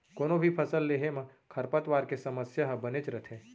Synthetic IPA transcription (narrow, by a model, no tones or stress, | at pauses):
koːnobʱipʰɐsəlːeːɦemɐ̃kʰɐɾpət̪ʋaːɾkesɐməsjaɦbɐnet͡ʃɾət̪ʰẽː